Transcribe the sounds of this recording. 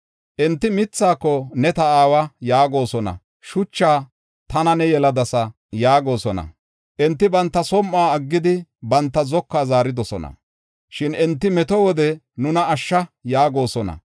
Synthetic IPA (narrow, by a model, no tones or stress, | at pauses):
ʔɛnt̪ːɪmɪt͡sːaːkːɔnɛt̪ɐaːwɐjaːɡo̞ːsɔnɐ̰ | ʃʊt͡ʃːaː | t̪ɐnɐnɛjɛlɐd̪ɐsɐ | jaːɡo̞ːsɔnɐ̰ | ʔɛnt̪ːɪbɐnt̪ːɐsɔmːaːɐɡːɪd̪ɪbɐnt̪ːɐzɔkːaːzaːɾɪd̪ɔsɔnɐ̰ | ʃɪnɛnt̪ːɪmɛt̪ɔwɔd̪ɛ | nʊnɐːʃːɐjaːɡo̞ːsɔnɐ̰